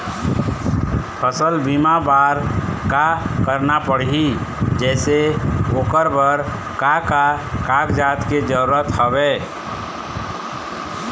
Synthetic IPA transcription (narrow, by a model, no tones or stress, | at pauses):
pʰəsəlbimabaɾkakəɾnapəɽɦid͡ʒɛːseoːkəɾbəɾ | kakakakd͡ʒaːt̪ked͡ʒəɾuɾət̪həbe